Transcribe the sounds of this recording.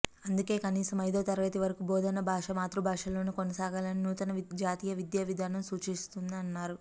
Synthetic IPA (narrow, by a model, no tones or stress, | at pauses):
ɐnd̪uke̞ːkɐniːsɐmɐjd̪o̞ːt̪ɐɾɐʋɐːt̪iʋɐɾɐkuboːd̪ɐnːɐbʱaːʂɐmaːt̪ɾubʱaːʂɐlo̞ːnikonɐsaːɡaːlɐninuːt̪ɐnɐʋd͡ʒaːt̪iːjɐʋid̪jaːʋid̪ʱaːnɐmsuːt͡ʃist̪und̪iɐnːaːɾu